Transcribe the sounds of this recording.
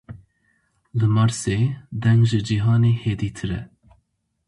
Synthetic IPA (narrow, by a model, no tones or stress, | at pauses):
lɨmɑɾseːd̪ɛŋɡʒɨd͡ʒiɦɑːneːheːd̪iːt̪ʰɨɾɛ̰